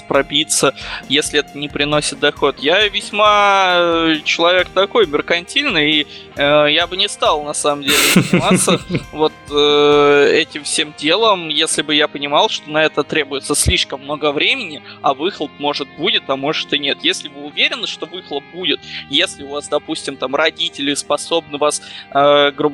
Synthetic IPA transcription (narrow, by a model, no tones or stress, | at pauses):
pɾɐbʲit̪səjesʲlʲɪɛt̪ənʲɪpɾʲɪno̞sʲɪt̪̚d̪ɐxo̞t̪javʲɪsʲma | t͡ɕɪlˠɐvʲe̞kt̪ɐko̞jmʲɪrkɐnʲtʲilʲnɨjːəjabɨnʲɪst̪ɑlˠnɐsaməmdʲelʲɪvɪnʲmat̪səvo̞t̪əɛtʲɪmfsʲemdʲe̞lˠəmjesʲlʲɪbɨjapənʲɪmɑlˠʂt̪o̞nɐɛt̪ət̪ɾʲebʊjɪt̪səsʲlʲiʂkəmːno̞ɡəvɾʲemʲɪnʲɪɐvɨxlˠəp̚mo̞ʐɨt̪̚budʲɪt̪ɐmo̞ʐɨt̪ɨnʲe̞t̪jesʲlʲɪbɨʊvʲeɾʲɪnːəʂt̪o̞vɨxlˠəp̚budʲɪt̪jesʲlʲɪʊvasd̪ɐpusʲtʲɪmt̪amrɐdʲitʲɪlʲɪspɐso̞bnɨvasəɡɾubə